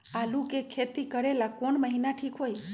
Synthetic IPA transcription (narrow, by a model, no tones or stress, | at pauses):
alũkekʰet̪ikəɾelakoɳməɦinaʈʰikɦoj